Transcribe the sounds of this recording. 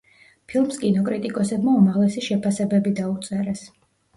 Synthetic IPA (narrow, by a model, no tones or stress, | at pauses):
pʰilˠmskʼinɔkʼɾit̪ʼikʼɔsɛbmaumaʁlɛsiʃɛpʰasɛbɛbid̪aut̪sʼɛɾɛs